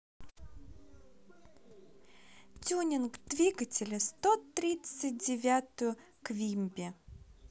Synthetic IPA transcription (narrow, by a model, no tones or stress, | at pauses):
tʲunʲɪnkd̪̥vʲiɡətʲɪlʲəst̪ot̪ɾʲit̪sɨt̚ʲdʲɪvʲat̪ʊjʊ | kvʲimʲbʲɪ